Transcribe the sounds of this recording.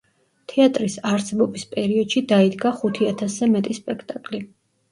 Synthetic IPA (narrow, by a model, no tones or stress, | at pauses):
t̪ʰɛat̪ʼɾisaɾsɛbɔbispʼɛɾiɔd̪̥ʃid̪aid̪ɡaχut̪ʰiat̪ʰaszɛmɛt̪ʼispʼɛkʰt̪ʼakʼli